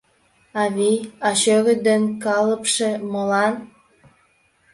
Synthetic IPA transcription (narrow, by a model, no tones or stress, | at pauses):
ɑβiɑɕøɣə̆d̪ənkɑləpʃeməlɑn